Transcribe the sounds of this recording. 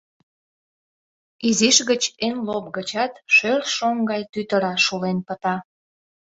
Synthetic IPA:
iziʃɣət͡ɕenlop̚ɡət͡ɕɑt̪ʃørʃoŋɡɑjt̪yt̪əɾɑʃulenpət̪ɑ

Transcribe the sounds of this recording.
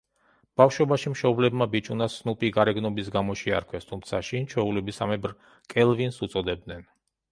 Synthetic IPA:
b̥afʃwɔbaʃimʃɔblɛbmabit͡ʃʼunasnupʼiɡaɾɛɡnɔbisɡamɔʃia̰ɾkʰwɛst̪ʰumt̪sʰaʃint͡ʃʰwɛulɛbisamɛbɾ | kʼɛlˠvinsut̪sʼɔd̪ɛb̚d̪nɛn

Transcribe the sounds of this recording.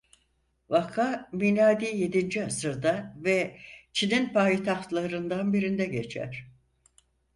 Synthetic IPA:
vakʰamilʲaːd̪iːje̞d̪ind͡ʒiasɯɾd̪avɛt͡ʃʰininpʰajit̪ʰaxt̪lˠaɾɯnd̪anbiɾind̪ɛɟe̞t͡ʃʰæ̰ɾ̥

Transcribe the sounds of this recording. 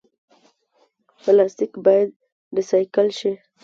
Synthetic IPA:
pəlɑst̪ɪkbɑjad̪̚ | ɖisajkəlʃi

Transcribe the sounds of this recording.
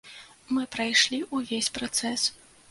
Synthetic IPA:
mɨpɾajʂlʲiʔuvʲesʲpɾat̪sɛs

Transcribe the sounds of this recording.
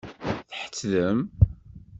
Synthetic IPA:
θħə̥t͡sːðəm

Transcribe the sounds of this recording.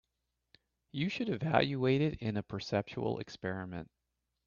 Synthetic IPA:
jɨʃɨɾɨvæ̰lˠjɨeɪɾɪɾɪ̃nəpʰə˞sɛp̚t͡ʃul̩ˠɨ̰kspɛɹɨmɨ̰̃nt̚

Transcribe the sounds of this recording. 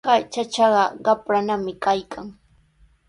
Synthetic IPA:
at͡ʃat͡ʃɑɢɑɢɑpɾanamɪkajkʰaŋ

